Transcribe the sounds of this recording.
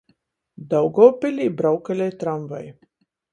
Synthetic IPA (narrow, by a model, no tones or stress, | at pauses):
d̪awɡɔːpɪlʲibɾawkalʲajt̪ɾamva̰j